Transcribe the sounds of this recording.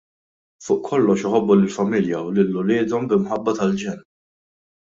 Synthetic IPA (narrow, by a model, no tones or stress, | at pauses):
fʊːʔkʰːɔlːɔʃɪħɔbːulɪlfɐmɪljɐwlɪlːʊlɪːd̪ɔmbɪmħɐbːɐt̪ɐld͡ʒɛn